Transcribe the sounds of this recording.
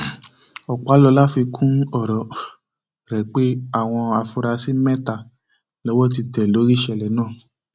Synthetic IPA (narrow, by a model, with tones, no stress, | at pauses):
ɔ˨k͡pa˨˦lɔ˧˦la˦fi˧kʰũ˦n˦ɔ˦˨ɾɔ˨˦ | ɾɛ˨˦k͡pe˦a˦˨w̃ɔ̃˧a˧fu˧ɾa˧si˦mɛ̃˦ta˨ | lɔ˨˦wɔ˦˨t̬i˧tɛ˨lo˨˦ɾi˦˨ʃɛ˧˨lɛ˨˦nãː˦˨